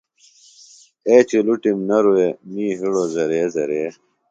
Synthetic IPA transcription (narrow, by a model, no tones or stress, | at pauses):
eːt͡ɕiluʈimnɐɾuemiːɦiɽozɐɾeːzɐɾeː